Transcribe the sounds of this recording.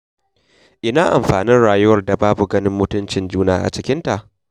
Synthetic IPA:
ʔɪ˨naː˦ʔa˨mɸaː˨nɪ˦nɽaː˨jʊ˦wɐ˨rda˨baː˦bu˨ɡɐ˦nɪ˦mːʊ˦tʊ˦nt͡ʃɪ˨nd͡ʒuː˦naː˨ʔa̰˨t͡ʃɪ˦kʲɪ˦nta˨ʔ

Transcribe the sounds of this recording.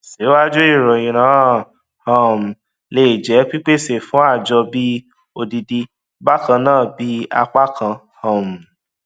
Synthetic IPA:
se˨˦wa˦d͡ʒu˦i˦˨ɾɔ˨ĩ˨ñãː˨˦˨ | hɔ̃˦˨m̩˨ | le˦˨d͡ʒɛ˨˦k͡pi˦k͡pe˦˨se˨fũ˨˦a˦˨d͡ʒɔ˧bi˦ | o˧di˧di˧ | ba˦kã˧nãː˦˨bi˨˦a˧k͡pa˦kʰã˧ | hã˨m̩˨

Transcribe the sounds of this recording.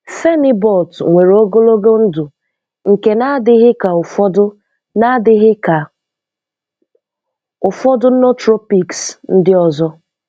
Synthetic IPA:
fe˦nɪ˦bɔ˦˨ltŋʷe˨ɾo˦ɡo˦lo˦ɡo˦n̩˦dʊ˨ | ŋ̩˨ke˨na˦dɪ˦ɦɪ˦ka˨ʊ˨fɔ˦dʊ˦ | na˦dɪ˦ɦɪ˦ka˨ | ʊ˨fɔ˦dʊ˦no˦tɾo˦pi˨ksn̩˦dɪ˦ɔ˨zɔ˦

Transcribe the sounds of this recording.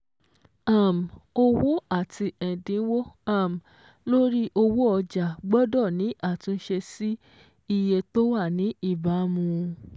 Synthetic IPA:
a˨m˨o˧wo˦a˦˨ti˧ɛ˨dĩ˨˦wo˦a˦˨m˨ | lo˦ɾi˦ʔo˧wo˦ɔ˧d͡ʒa˨ɡ͡bɔ˦dɔ˦˨nĩ˨˦ʔa˦˨tũ˨˧˦ʃe˧si˦ | i˧je˧to˦wa˦˨nĩ˨˦i˦˨ba˨˦mũ˧

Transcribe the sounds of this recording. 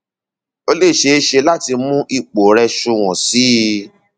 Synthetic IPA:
o˧le˦˨ʃe˧˦˧ʃe˧la˦ti˧mũ˦ʔi˦˨k͡po˨ɾɛ˧ʃu˧w̃ɔ̃˨si˨˦

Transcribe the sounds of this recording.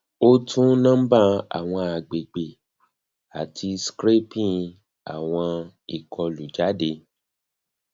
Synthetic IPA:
o˦tʰũ˦nã˦m̩˦ba˦˧a̰˨w̃ɔ̃˧a˨ɡ͡be˨ɡ͡be˨ | a̰˨tʰi˧skɾe˦pĩ˦˨ | a̰˨w̃ɔ̃˧ | i˨kʰɔ˧lu˨d͡ʒa˨˦de˧˦

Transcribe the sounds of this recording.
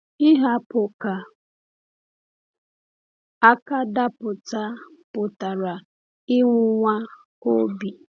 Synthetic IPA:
i˦ɦa˦pʊ˨ka˨ | a˦ka˦da˦pʊ˨ta˦pʊ˨ta˨ɾa˨ | ɪ˦ŋʷʊ˦ŋʷa˦ | o˦bi˨

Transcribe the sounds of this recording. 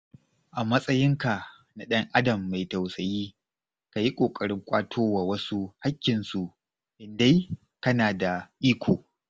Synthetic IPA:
ʔa˨mɐ˦sʼɐ˦jɪ˦ŋka˨ | na˨ɗɐ˦ŋʔa˦dɐ˨mːa˨jta˨wsɐ˨jiː˦ | ka˨ji˦kʷʼoː˨kʼɐ˨ɽɪ˦ŋkʷʼa̰ː˦tʰoː˦waː˨wɐ˦su˦ha˦kʲːɪ˨nsu˨ | ʔɪ˨nda˦j | kɐ˦naː˨da˨ʔiː˦kʷʰoː˨

